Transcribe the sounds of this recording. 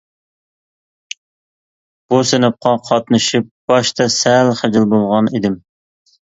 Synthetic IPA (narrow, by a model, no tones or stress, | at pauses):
b̥usenɛp̚qʰɑqʰɑt̪nɨʃip̚b̥ɑʃt̪ʰɑsælχəd͡ʒɪlˠbolˠʁɑned̪ɪm